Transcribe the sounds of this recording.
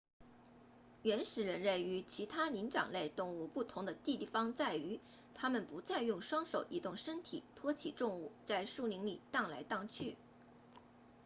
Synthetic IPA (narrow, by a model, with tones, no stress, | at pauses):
ɥɛ˧˥nʂɻ̩˨˩ɻə˧˥nɻə˥˩ny˧˥t͡ɕʰi˧˥t̪ʰa˥li˧˥ŋʈ͡ʂɑ̰˨˩ŋle˥˧ɪt̪ʊ˥˧ŋu˥˧pu˥˩t̪ʰʊ˧˥ŋd̪ə˧t̪i˥˧t̪i˥˩fɑ˥ŋt͡sa˥˩ɪy˧˥ | t̪ʰa˥mə˨npu˧˥t͡sa˥˧ɪjʊ˥˩ŋʂwɑ˥ŋʂo˨˩ʊʔi˧˥t̪ʊ˥˩ŋʂə˥ŋt̪ʰḭ˨˩t̪ʰwɔ˥t͡ɕʰi˨˩ʈ͡ʂ̪ʊ˥˧ŋu˥˩t͡sa˥˧ɪʂu˥˩li˧˥ŋlḭ˨˩t̪ɑ˥˩ŋla˧˥ɪt̪ɑ˥˧ŋt͡ɕʰy˥˩